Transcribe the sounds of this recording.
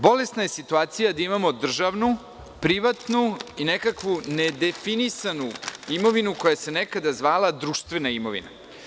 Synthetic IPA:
bo̞le̞snaje̞sit̪uaːt̪sijad̪aimamo̞d̪r̩ʒaʋnu | pɾiʋat̪nuinekakʋuned̪e̞finisanuimo̞ʋinuko̞jase̞nekad̪azʋaːlad̪ɾuːʃt̪ʋenaimo̞ʋḭna̰

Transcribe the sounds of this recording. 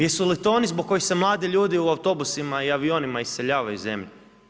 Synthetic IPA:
jesulit̪o̞ːnizboɡ̚kːo̞jixsemlˠaːd̪iʎuːd̪iuawt̪o̞busimaiaʋio̞ːnimaisse̞ʎaːʋajuze̞̰mʎe

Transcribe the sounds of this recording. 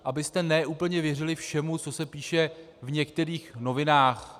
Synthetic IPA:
ʔabɪst̪ɛnɛʔuːpl̩ɲɛvjɛrɪlɪfʃɛmut͡so̞sɛpiːʃɛ | vɲɛkt̪ɛɾiːxno̞vɪnaːx

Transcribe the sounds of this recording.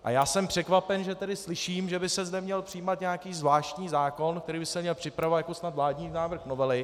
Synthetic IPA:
ʔa̰jaːsɛmpr̝̥ɛkvapɛnʒɛt̪ɛdɪslɪʃiːmʒɛbɪsɛzdɛmɲɛlpr̥ɪjiːmat̪ɲeakiːzvlaːʃc̪ɲiːzaːko̞nk̚t̪ɛɾiːbɪsɛmɲɛlpr̥ɪpɾavajako̞snat̪vlaːdɲiːnaːvr̩xnovɛlɪ

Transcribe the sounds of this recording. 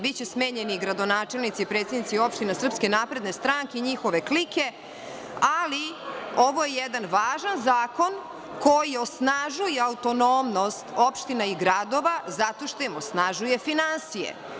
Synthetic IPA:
bitt͡ɕesmeːɲeniɡɾad̪o̞naːt͡ʃe̞lnit̪sipɾet̪sed̪nit̪io̞pʃt̪inesr̩pske̞naːpɾe̞d̪ne̞st̪ɾaŋkeiɲixo̞ʋe̞klike̞ | alioʋo̞jejɛd̪anʋaːʒanzaːko̞n | kojio̞snaʒujeaut̪o̞nomno̞st̪opʃt̪inaiɡɾad̪o̞ʋazat̪o̞ʃt̪o̞jimosnaʒujefinansijḛ

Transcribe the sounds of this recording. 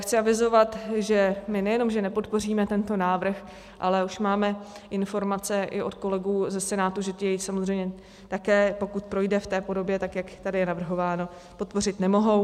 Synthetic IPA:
xt͡sɪavɪzo̞vat̪ʒɛmɪnɛjɛno̞mʒɛnɛpo̞t̪po̞riːmɛt̪ɛnt̪o̞naːvr̩x | ʔalɛuʃmaːmɛʔɪnfo̞ɾmat͡sɛʔɪʔo̞t̪ko̞lɛɡuːzɛsɛnaːt̪uʒɛt̪ɪjɛjsamozr̝ɛjmɲɛ | t̪akɛːpo̞kut̪̚pɾo̞jdɛft̪ɛːpo̞do̞bjɛt̪akjakt̪adɪjɛnavr̩ɦo̞vaːno̞ | po̞t̪po̞r̝ɪt̪nɛmo̞ɦo̞w

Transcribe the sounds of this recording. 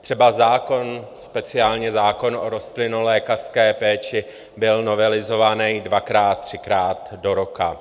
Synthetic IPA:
t̪r̝̥ɛbazaːko̞nspɛt͡sɪaːlɲɛzaːko̞nʔoɾo̞st̪lɪnulɛːkar̥skɛːpɛːt͡ʃɪ | bɪlno̞vɛlɪzo̞vanɛjdvakɾaːt̪̚t̪r̝̥ɪkɾaːt̪do̞ɾoka

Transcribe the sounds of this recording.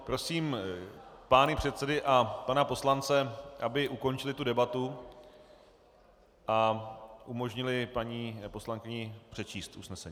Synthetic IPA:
pɾo̞siːm | paːnɪpr̥ɛt̪sɛdɪʔapanapo̞slant͡sɛʔabɪʔuko̞nt͡ʃɪlɪt̪udɛbat̪u | ʔaʔumo̞ʒɲɪlɪpaɲiːpo̞slaŋkɪɲɪpr̝̥ɛt͡ʃiːst̪ʔusnɛsɛɲiː

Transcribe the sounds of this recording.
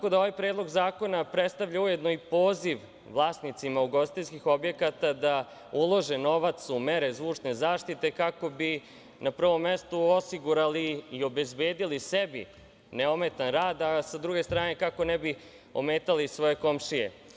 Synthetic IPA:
ko̞d̪ao̞ʋajpɾeːd̪lˠo̞ɡzaːko̞napɾet̪st̪aʋʎauje̞d̪no̞ipo̞ːziʋ | ʋlˠaːsnit̪simauɡo̞sit̪eskixo̞bje̞kat̪ad̪a | ulˠo̞ʒeno̞ʋat̪sumeɾe̞zʋuːt͡ʂne̞zaːʃt̪it̪ekako̞bi | napr̩ʋo̞mːest̪uosiɡuɾaliːo̞be̞zbeːd̪ilisebḭ | neome̞t̪anɾaːd̪asad̪ɾuɡe̞st̪ɾaːne̞kako̞nɛbi | o̰meːt̪alisʋo̞je̞ko̞mʃijḛ

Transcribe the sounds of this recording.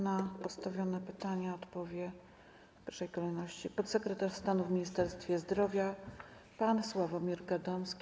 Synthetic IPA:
napɔt̪st̪avʲjɔnɛpɘt̪aɲaɔt̪pɔvʲjɛ | pʲjɛɾʂɛjkɔlɛjnɔɕt͡ɕipɔt̪sɛkɾɛt̪aʂst̪anuvmʲiɲist̪ɛɾst̪fʲjɛzd̪ɾɔvʲja | panswavɔmʲiɾɡad̪ɔmskʲ

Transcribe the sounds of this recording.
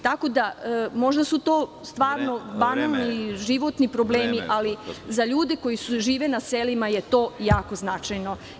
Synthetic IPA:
t̪ako̞d̪amo̞ʒd̪asut̪o̞ː | st̪ʋaːɾno̞banalˠniʒiʋo̞t̪nipɾo̞bleːmiʔalizaʎuːd̪e̞ko̞jisuʒiːʋenaselimaje̞t̪o̞ːjaːko̞znat͡ʃajno̞

